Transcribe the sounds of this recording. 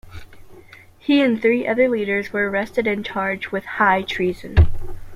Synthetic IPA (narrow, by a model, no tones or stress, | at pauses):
hiɨ̃nθɹiʔʌðə˞liɾə˞zwə˞əɹɛstɨɾɨ̃nt͡ʃʰɑɹd͡ʒwɨð̥haɪtʰɹ̥izɨ̰̃n